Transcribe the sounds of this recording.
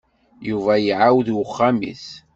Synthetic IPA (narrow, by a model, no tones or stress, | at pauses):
juvæjəʕawðwʊχːamḭθ